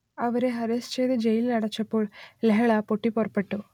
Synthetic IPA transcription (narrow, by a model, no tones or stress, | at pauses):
ɐʋɐɾeɦɐɾest͡ɕejðɨd͡ʑejililɐɽɐt͡ɕːɐpːoːɭleɦɐɭapoʈːiporɐpːeʈːu